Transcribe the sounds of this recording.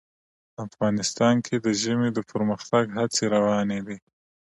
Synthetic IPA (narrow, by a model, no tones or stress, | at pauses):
afɣɑnɪst̪ɑnkʰed̪əʒəmed̪əpʰəɾməxt̪aɡɦat͡seɾawɑned̪i